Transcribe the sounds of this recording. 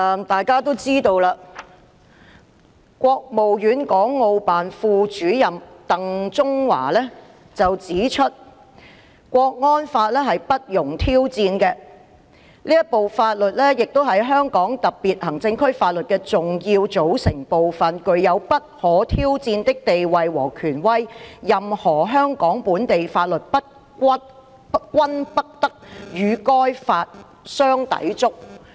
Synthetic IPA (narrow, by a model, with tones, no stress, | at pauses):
t̪aː˨jkaː˥t̪o˥wt͡siː˥t̪o˧wlaː˧ | kʷɔː˧k̚mo˨wjyː˨˥nkɔː˨˥ŋːo˧wpaː˨nfuː˧t͡ʃyː˨˥jɐ˨mt̪ɐ˨ŋt͡sʊ˥ŋwa̰ː˨˩lɛː˥ | t͡sɐ˨wt͡siː˨˥t͡ʃʰɵ˥t̚ | kʷɔː˧k̚ŋɔː˥nfaː˧t̚lɛː˥ɦɐ˨jpɐ˥t̚jʊ˨˩ŋt̪ʰiː˥wt͡siː˧nkɛ˧ | liː˥jɐ˥t̚po˨wfaː˧t̚lɵ˨t̚lɛː˥jɪ˨k̚t̪o˥wɦɐ˨jɦœː˥ŋkɔː˨˥ŋt̪ɐ˨k̚piː˨t̚hɐ˨˩ŋt͡sɪ˧ŋkʰɵ˥ɥfaː˧t̚lɵ˨t̚kɛː˧t͡sʊ˨ŋjiː˧wt͡so˨˥wsɪ˨˩ŋpo˨wfɐ˨nkɵ˨˧ɥjɐ˨˧wpɐ˥t̚hɔː˨˥t̪ʰiː˥wt͡siː˧nt̪ɪ˥k̚t̪e˨jwɐ˨jwɔ̰ː˨˩kʰyː˨˩nwɐ˥jːɐ˨mhɔː˨˩ɦœː˥ŋkɔː˨˥ŋpuː˨˥nt̪e˨jfaː˧t̚lɵ˨t̚pɐ˥t̚ | kʷ | kʷwɐ˥npɐ˥k̚t̪ɐ˥k̚jyː˨˧kɔː˥jfaː˧t̚ | sœː˥ŋt̪ɐ̰˨˥jt͡sʊ˥k̚